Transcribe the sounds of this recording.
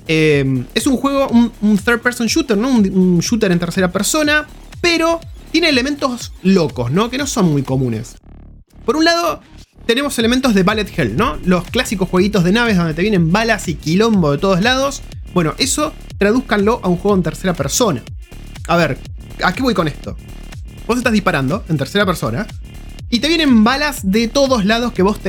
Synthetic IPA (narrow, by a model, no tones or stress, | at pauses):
eme̞suŋxwe̞ɣ̞o̞ʔununθeɾ̚peɾsonʃut̪eɾno̞ununʃut̪eɾent̪eɾse̞ɾapeɾso̞na | peɾo̞t̪je̞neːlement̪o̞sloko̞̰sno̞ke̞no̞so̞nmːujko̞mũne̞̰s | po̞ɾunlað̞o̞ | t̪e̞ne̞mo̞selement̪oɦðeβalet̪xelno̞lo̞sklasikosxweɣit̪o̞zð̞e̞naβ̞eðo̞nd̪et̪ejenẽ̞mbalasikilo̞mboðet̪o̞ð̞ozlað̞o̞s | bwe̞no̞ʔe̞so̞ | t̪ɾaðuhkanlo̞ʔaunxweɣont̪eɾse̞ɾapeɾso̞na | aβeɾ | ake̞βo̞jko̞nest̪o̞ | bosest̪aðihpaɾand̪o̞e̞nt̪eɾse̞ɾapeɾsona | it̪e̞βjenẽ̞mbalazðet̪o̞ðo̞zlaðo̞skeβo̞st̪